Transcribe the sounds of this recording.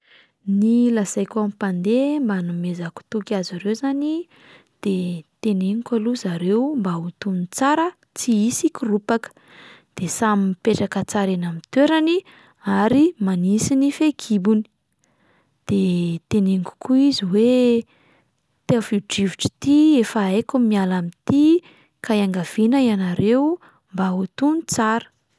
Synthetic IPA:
nilazajkʲamipand̪embanumezaku̥t̪ukʲazaɾewzani | d̪̥et̪eneŋikʲaluzaɾewmbaut̪unit͡saɾə | t͡siisikʲirupakə̥ | d̪̥esaminpeʈ͡ʂakət͡saɾenamit̪eɾani | aɾimanisinifekʰibuni̥ | d̪̥et̪eneŋku̥kʰuiziwe | t̪eafiʈ͡ʂivuʈ͡ʂi̥t̪iefaekumialamit̪i | kajaŋɡav̥inəianaɾew | mbaut̪unit͡saɾə̥

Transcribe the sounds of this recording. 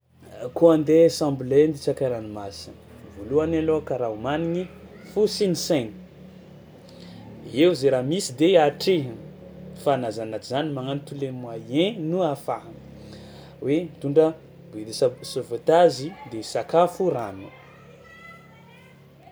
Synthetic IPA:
kuãnd̪esãmblend̪it͡ʃakaɾanimasi̥ | voluanalokaɾaumaniɲi | fusinisɛni̥ | euzeɾamisid̪eaʈ͡ʂe | fanazanat͡ʃizanimaŋanit̪ulemuaẽnuafaɦ | wemit̪uɳɖ͡ʐə | bed̪isasovat̪azid̪esakafuranṵ

